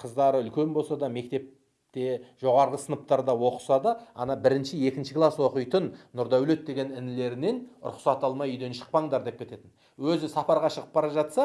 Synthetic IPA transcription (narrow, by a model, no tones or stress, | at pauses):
qʰəzd̪ɑɾəʏlkʲe̞nbolˠsɑd̪ɑme̞k̚t̪e̞p̚ | t̪e̞ʒo̞ʁɑɾʁəsənəpt̪ɑɾd̪ɑwo̞qə̥sɑd̪ɑɑ̰nɑbɪɾɪnʃɪje̞kʲɪnʃɪklˠɑswo̞qəjt̪ənːʊɾd̪ɑwle̞t̪̚d̪e̞ɡʲe̞nɪnɪle̞ɾɪne̞nʊ̰ɾʊ̰χsɑt̪ɑlˠmɑjʏjd̪e̞nʃə̥q̚pɑɴd̪ɑɾd̪e̞p̚kʲet̪e̞t̪ɪn | wɵzɪsɑpɑɾʁɑʃəʁəp̚bɑɾɑʒɑt̪sɑ